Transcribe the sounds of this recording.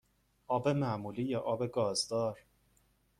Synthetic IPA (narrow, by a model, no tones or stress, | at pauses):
ʔɒːbe̞mæmuːliːjɒːʔɒːbeɡɒːzd̪ɒːɾ